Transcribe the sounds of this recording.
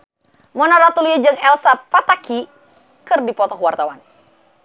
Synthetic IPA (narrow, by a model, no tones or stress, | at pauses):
mɔnaɾat̪uliad͡ʒɨŋɛlsapat̪aki | kɨrdipɔt̪ɔɦwart̪awan